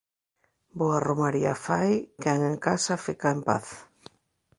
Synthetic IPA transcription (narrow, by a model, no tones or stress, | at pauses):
boaromaɾiafajkɛŋeŋkasafikaempa̰θ